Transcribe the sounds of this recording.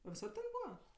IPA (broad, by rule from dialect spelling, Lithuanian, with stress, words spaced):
ɐ ʋʲɪˈsɐt tʲɛn ˈbuːʋɐ